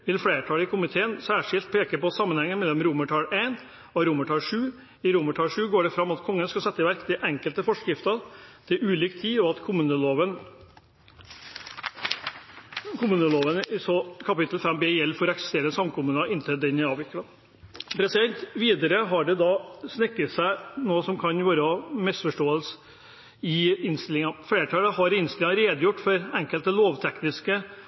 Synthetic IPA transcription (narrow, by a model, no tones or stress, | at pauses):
ʋɪlflɽeːʈʰɑːləɪkʰʊmɪt̪ʰeːənsæːʂɪlt̪̚pʰeːkəpɔsɑmːənhɛŋːənmɛlːɔmɾuːməʈʰɑːleːn | ɔɾuːməʈʰɑːlʂʉː | ɪɾuːməʈʰɑːlʂʉːɡoːɖɛfɾɑmːɑt̪kʰɔŋːənskɑsɛt̪ːəʋæɾkd̪ɛʔɛŋkəlt̪əfɔʂkɾɪft̪ɑnt̪ʰɪlʔʉːliːkt̪ʰiːɔɑt̪kʰʊmʉːnəloːʋən | kʰʊmʉːnəloːʋənsɔkʰɑpɪt̪lfɛmbeːjɛlːfɔɾɔɛksɛ̥st̪eːɾəsɑmkʰʊmʉːnɑɪnt̪ʰɛd̪ɛnæɑːʋɪkːəlɑ | pʰɾɛsɪd̪ɛnt̪ʋiːd̪əɾəɦɑɖɛd̪ɑsnɪkːət̪sæɪnoːsɔmkʰɑnʋɑːɾɔmɪsfɔʂʈoːəlsə | ɪɪnst̪ɪlɪŋɑfeːʈʰɑːləhɦɑɾɪnst̪ɪlɪŋɾeːd̪əjʊʈːfɔɾæŋkəlt̪əloːʋt̪ʰɛknɪskə